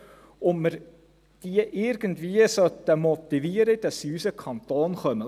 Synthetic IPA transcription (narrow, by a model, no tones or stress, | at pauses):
ʊməɾ | d̥iəʔɪɾɡ̥əndviəsœt̪əmɔt̪iviəɾəd̥ɑsːiysəkʰɑnt̪oːnχœmə